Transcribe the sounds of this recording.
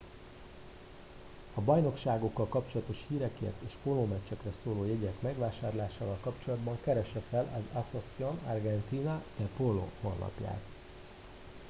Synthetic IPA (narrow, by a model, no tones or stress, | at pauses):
ɒbɒjno̞kʃaːɡo̞kːɒlkɒpt͡ʃo̞lɒt̪o̞ʃhiːɾɛkḛːrt̪eːʃpoloːmɛt͡ʃːɛkrɛsoːloːjɛɟɛkmɛɡʋaːʃaːrlaːʃaːvɒlkɒpt͡ʃo̞lɒd̪bɒŋkɛɾɛʃɛfɛlɒzasosio̞nɒ̰rɡɛnt̪iːnɒt̪ɛpolo̰honːɒ̰pja̰ːt̪